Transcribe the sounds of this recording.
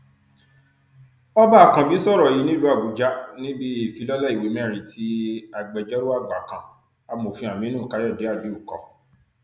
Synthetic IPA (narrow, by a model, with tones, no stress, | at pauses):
ɔ˦ba˦a˨kã˧bi˦sɔ˦˨ɾɔ˨i˨˧˦nĩ˦lu˦a˦˨bu˨d͡ʒa˦nĩ˦bi˦i˦˨fi˨˧˦lɔ˦la˦i˨we˨˦mɛ̃˦˨ɾ̃ĩ˧tʰi˦a˨ɡ͡bɛ˨d͡ʒɔ˦ɾo˦a˦˨ɡ͡ba˨kã˧˨ | a˧mo˨fĩ˧˦a˨mĩ˦nũ˦˨ka˨˦jɔ˦˨de˨˦a˦˨d͡ʒi˨˦u˦˨kɔ̰˧˦